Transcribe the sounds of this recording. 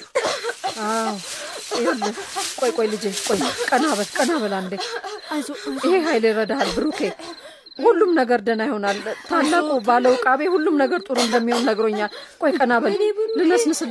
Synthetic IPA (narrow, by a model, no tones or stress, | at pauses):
awɨhalːəkʼojkʼojlɨd͡ʒekʼojkʼənaβəlkʼənaβəland̪e | ɨheɦajlɪɾəd̪ahalbɨɾukʰe | hulːumnəɡəɾd̪ənajho̞nalt̪ʰalːakubaləwkʼaβehulːumnəɡəɾt̪ʼuɾɨmd̪əmːihonnəɡɾoɲːalkʼojkʼənaβəllɨnəsnɨsɨ